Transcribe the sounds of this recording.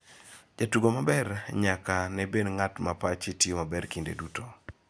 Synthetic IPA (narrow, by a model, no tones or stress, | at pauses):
d͡ʒatuɡomabɛrɲakanɛbenŋatmapat͡ʃetjomabɛrkindḛduto